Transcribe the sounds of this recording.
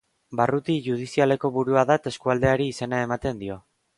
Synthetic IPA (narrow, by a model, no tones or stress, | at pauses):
barut̪iʝuð̞isiale̞ko̞βuɾuaðat̪e̞skuald̪e̞aɾiːse̞nae̞mat̪e̞nd̪io̞